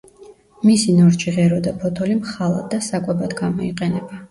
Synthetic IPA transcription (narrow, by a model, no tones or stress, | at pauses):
misinɔɾt͡ʃʰiʁɛɾɔd̪apʰɔt̪ʰɔlimχalˠa̰d̪ːasakʼwɛbad̪ɡamɔiqʼɛnɛba